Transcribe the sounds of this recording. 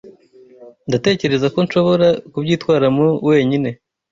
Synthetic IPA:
ndate̞ːce̞ɾe̞zako̞nʃo̞βo̞ɾakubɟiːtwaːɾamuwe̞ːɲine̞

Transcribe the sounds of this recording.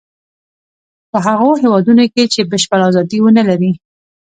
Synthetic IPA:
pəɦaɣoɦewɑd̪unoket͡ʃebəʃpəlazɑd̪iwənalaɾi

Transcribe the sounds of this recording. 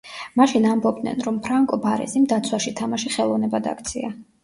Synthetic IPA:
maʃinambɔbd̪nɛ̰nɾɔmpʰɾaŋkʼɔbaɾɛ̰simd̪at̪sʰwaʃit̪ʰamaʃiχɛlˠɔvnɛbad̪a̰kʰt̪sʰia

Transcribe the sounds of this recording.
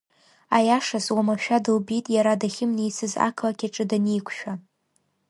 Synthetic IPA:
ajaʂazwamaʃᶣadɨlbitʼjaɾadaχʲɪmnejt͡sʰɨza̰kʰlakʲʰaʈ͡ʂʼɨdanejkʷʰʃᶣa

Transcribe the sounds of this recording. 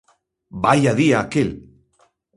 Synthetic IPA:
bajaðiaːkel

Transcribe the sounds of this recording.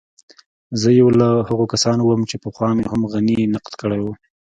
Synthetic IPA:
zəjawlahaɣokasɑnowəmt͡ʃepəxwɑmehamɣaninaqlkəɽajwu

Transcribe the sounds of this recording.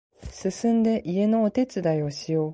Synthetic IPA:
sɨsɨ̃nd̪e̞ʔie̞no̞ːt̪e̞t͡sɨd̪aio̞ɕijo̞ː

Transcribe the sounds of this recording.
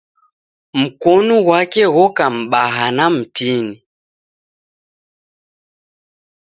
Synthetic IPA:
m̩kɔnuɣwakɛɣɔkam̩ɓaɦanam̩tini

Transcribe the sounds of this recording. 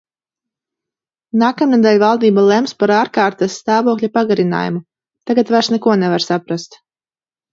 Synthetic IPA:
naːkamnad̪ɛlʲvalˠd̪iːbalˠɛmspaɾaːɾkaːɾt̪asːt̪aːvɔklʲapaɡaɾina̰ːjṵmu | t̪aɡat̪vaɾsnɛkuɔnɛvaɾsapɾast̪

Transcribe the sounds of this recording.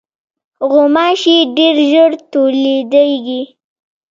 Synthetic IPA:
ɣomɑʃiɖeɾʒəɽt̪oled̪ajɡi

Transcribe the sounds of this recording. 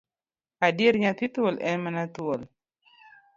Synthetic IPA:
adiɾɲat̪it̪olʔɛmanat̪uol

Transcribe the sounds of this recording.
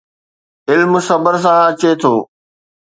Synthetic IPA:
ɪlmsɐbəɾs̬ãɐt͡ɕet̪ʰoː

